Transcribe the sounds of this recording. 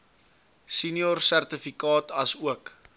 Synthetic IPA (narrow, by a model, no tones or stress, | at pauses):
sinjɔrsærtəfikɑːtɐsuək